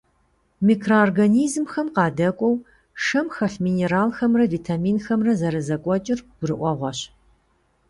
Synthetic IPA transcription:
miːkʰrooːrɡɐniːzmxɐmqɑːdɐkʷʼɔw | ʂɐmxɐɬmiːneːɾaːlxɐmrɐviːtʰaːmiːnxɐmrɐzɐɾɐzɐkʷʼɔt͡ʃʼɪrɡ̥ʷʊrɨʔʷɔʁʷɐɕ

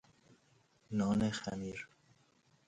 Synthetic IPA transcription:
nɔːnexa̰niɾ

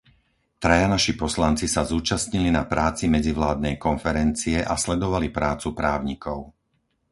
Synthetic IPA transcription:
t̪ɾajanaʃipɔslant͡sisazuːt͡ʃasɲilinapɾʔaːt͡simɛd͡ziʋlaːd̪nɛjkɔnfɛɾɛnt͡siɛʔaslɛd̪ɔʋalipɾaːt͡supɾaːʊɲikɔʊ

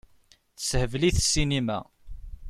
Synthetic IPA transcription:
θə̥shəvliθəsːinimæ̰

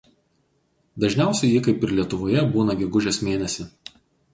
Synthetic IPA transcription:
d̪ɐʒʲnʲæˑʊsʲɛɪjiːkɐɪpɪɾlʲiɛt̪ʊʋoːjɛbuːnɐɡʲɛɡʊʒʲeːsmʲeːnʲɛsʲɪ

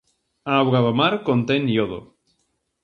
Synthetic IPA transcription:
aːwɣaðomaɾkont̪enjoðo̰

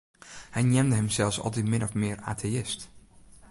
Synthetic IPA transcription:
hɛjnjɛmdəɦəmsɛlˠsɔ̰lˠt̬itmɪnɔfmɪəra̰ːtʰeɪst

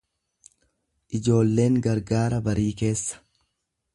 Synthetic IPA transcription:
ʔɪd͡ʒo̞ːlːe̞ːŋɡɐɾɡaːɾɐbɐɾiːke̞ːsːɐ̥

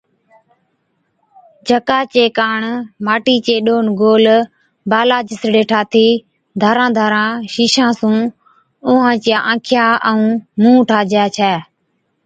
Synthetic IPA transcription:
d͡ʒəkaːt͡ʃeːkaːɳmaːʈiːt͡ʃeːɗoːnɡoːl | baːlaːd͡ʒɪsɽeːʈʰaːt̪ʰiː | d̪ʱaːɾãːd̪ʱaːɾãːʃiːʃãːsũː | ʊːãːt͡ʃɪjaːʔãːkʰɪjaːʔɛũːmũːʈʰaːd͡ʒjaːt͡ʃʰɛː

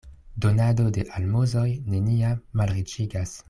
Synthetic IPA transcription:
do̞nado̞de̞ʔalmozo̞jne̞niamːalɾit͡ʃiɡas

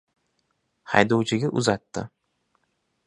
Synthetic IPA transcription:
ha̰jd̪owt͡ʃʰɪɡʲaʔʊzat̪ːɪ̰

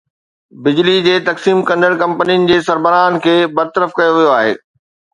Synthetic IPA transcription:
bɪd͡ʑlid͡ʑeːt̪ɐksiːmkɐ̃nd̪əɽkɐ̃mpənijənɪ̆d͡ʑeːsɐɾbəɾaːnkʰeːbɐɾt̪əɾəfkɐjoʋijoaːɦḛː

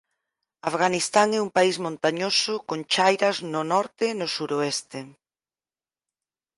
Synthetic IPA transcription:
afɣanist̪aŋɛumpaizmõnt̪aɲosʊkõŋt͡ʃajɾɐznʊnɔɾt̪enʊsuɾoɛst̪e

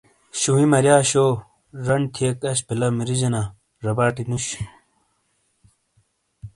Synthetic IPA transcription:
ɕuwimɐɾjaːɕo | ɾɐɳt̪ʰiekɐɕpilɐmiɾid͡ʑɐna | ɾɐbaːʈinuɕ

